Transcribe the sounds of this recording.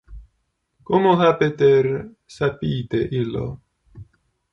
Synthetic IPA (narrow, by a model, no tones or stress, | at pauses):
komoɦapet̪er | sapiːt̪eʔilo̰